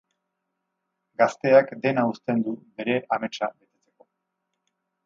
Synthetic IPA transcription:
ɡast̪e̞akd̪e̞naust̪e̞nd̪ube̞ɾe̞ʔame̞t͡ʃaβe̞t̪e̞t͡se̞ko̞

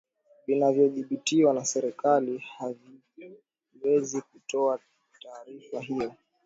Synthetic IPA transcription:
vinavjɔðiɓitiwanasɛɾɛkalihavi | wɛzik̚utɔa | taːɾifaɦijɔ

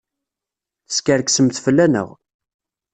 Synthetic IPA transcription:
θə̥skəɾksəmθfəlːænə̰ʁ

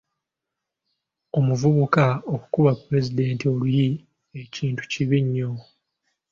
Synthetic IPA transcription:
o̞muvuβukao̞kukuβapuɾe̞zide̞ːntio̞luji | e̞ciːntu̥ciβiɲːo̞

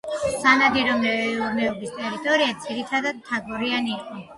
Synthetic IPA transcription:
sz̥anad̪iɾɔmɛmɛɔɡist̪ʼɛɾit̪ʼɔɾiad̪ziɾit̪ʰad̪ad̪̚t̪ʰːaɡɔɾianiːqʼɔ

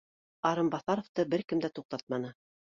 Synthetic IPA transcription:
ɑɾɤmbɑθɑɾŏft̪ɤbɘɾkɘ̆md̪æt̪uq̚t̪ɑt̪̚mɑnɤ

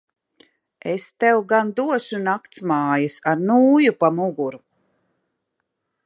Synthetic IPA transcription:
est̪ɛwɡand̪uɔʃunakt̪smaːjasaɾnuːjupamuɡuɾu

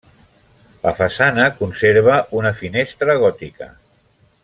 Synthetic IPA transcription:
lə̰fasanəkunseɾβ̞əʔunəfinest̪ɾəɣ̞ɔt̪ikə̰

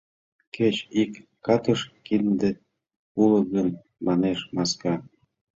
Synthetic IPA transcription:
kʰet͡ɕikː | ɑt̪əʃkind̪e | ulə̆ɡən | mɑneʃmɑskɑ

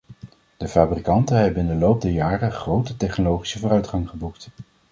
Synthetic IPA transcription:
d̥əfaːbrikɑntəɦɛbənɪndəlowp̚dɛjaːrəχrowtətɛχnolowχi̥səvʊːrœɥtχɑŋχəbukt

